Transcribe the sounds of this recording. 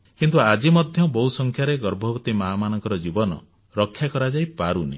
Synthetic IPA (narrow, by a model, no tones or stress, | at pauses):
kint̪uad͡ʒimɔd̪ʱjɔbɔɦusɔŋkʰjaɾeɡɔɾbʱɔbɔt̪imaːmanɔŋkɔɾɔd͡ʒibɔnɔ̰ | ɾɔkʰːjakɔɾad͡ʒajpaɾunḭ